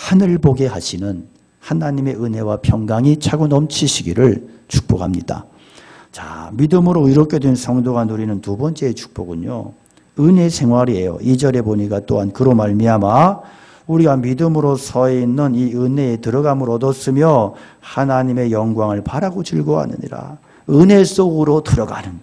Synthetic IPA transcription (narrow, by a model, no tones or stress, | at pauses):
hanɯɭboɡe̞ɦaɕʰinɯn | hanaɲime̞ɯne̞wapʰjʌŋɡaŋit͡ɕʰaɡonʌmt͡ɕʰiɕʰiɡiɾɯɭt͡ɕʰu̥k̚p͈okhamɲida̰ | t͡ɕa̰midɯmɯɾoiɾʌkʰe̞dwensʰʌŋdoɡanuɾinɯntubʌnt͡ɕ͈e̞ːt͡ɕʰu̥k̚p͈oɡuɲo̰ | ɯne̞sʰe̞ŋwaɾie̞jo̰ʔid͡ʑʌɾe̞boɲik͈at͈oɦankɯɾomaɭmiama | uɾiɡamidɯmɯɾosʰʌinːɯniɯne̞ːtɯɾʌɡamɯɾʌdʌs͈ɯmjʌ | hanaɲime̞jʌŋɡwaŋɯɭpaɾaɡot͡ɕiɭɡoa̰nɯ̰ɲḭɾa̰ | ɯne̞s͈oɡɯɾotɯɾʌɡa̰nɯn